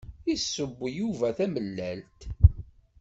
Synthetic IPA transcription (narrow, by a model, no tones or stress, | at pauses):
isːəbːjuvæθæməlːælt̪